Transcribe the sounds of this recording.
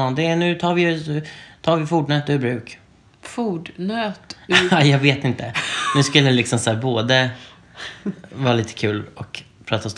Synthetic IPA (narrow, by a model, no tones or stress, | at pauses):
d̪ɛnʉ̟ːt̪ʰɑːɾvɪj | t̪ʰɑːɾvɪfuːɖɳøːt̪ːʉbɾʉ̟ːk | fuːɖnøt̪ajɑːɡveːt̪ɪnt̪ənʉ̟ːskɵlːəɛlɪksɔmsæːɾboːd̪ə | vɑːɾaliːt̪ə̥kʰʉ̟ːlɔk | pʰɾɑːt̪aɔst̪